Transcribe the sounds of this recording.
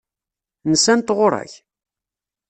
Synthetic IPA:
nəsænt̪ʁʊɾˤæ̰ç

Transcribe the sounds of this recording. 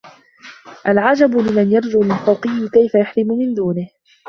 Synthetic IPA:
ʔalʕad͡ʒabʊlɪmanjɑɾˤd͡ʒʊːmɪlfɑwqɪjːɪkajfajaħɾɪmʊmɪnd̪uːnɪh

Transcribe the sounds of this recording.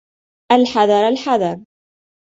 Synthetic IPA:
ʔalħɑðˤɑɾˤalħɑðˤɑɾˤ

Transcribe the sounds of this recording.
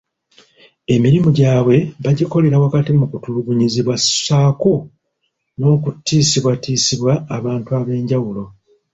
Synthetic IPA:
e̞miɾimuɟaːβwe̞βaɟiko̞le̞ɾawakatimukutuluβuɲiziβwasaːku | no̞ːkutːiːsiβwatiːsiβwaːβaːntuaβe̞ːɲɟawulo̞

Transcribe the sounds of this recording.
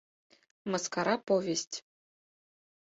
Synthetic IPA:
mɤskaɾɑpovʲesʲtʲ

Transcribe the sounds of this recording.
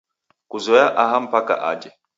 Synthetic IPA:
kuzɔjaʔaɦam̩paka̰ʔa̰d͡ʒɛ

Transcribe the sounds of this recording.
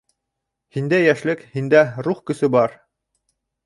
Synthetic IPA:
hind̪æjæʃlɘkhind̪æɾuχkɵ̆sɵbɑɾ

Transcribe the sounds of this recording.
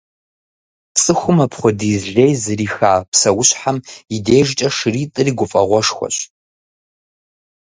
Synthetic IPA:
t͡sʼɨxʷʊmɐpʰχʷɔdizʒejzɨriːxaːpsɐwʊɕħamideːʒt͡ʃʼɐʂriːtʼɨriɡʷʊfʼɐʁʷɔʂxʷɔ̰ɕ

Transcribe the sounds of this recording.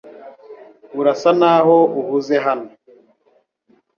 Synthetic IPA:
uɾasanaɦouhuzeɦano

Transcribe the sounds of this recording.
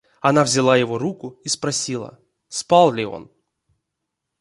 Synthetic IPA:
ɐnavzʲɪlˠajɪvo̞ɾukʊispɾɐsʲilˠə̰ | spalˠlʲɪo̞̰n

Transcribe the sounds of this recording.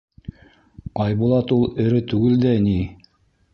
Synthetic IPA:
qɑjbulˠɑt̪ulˠɘ̆ɾɘt̪ʉɡɘld̪æni

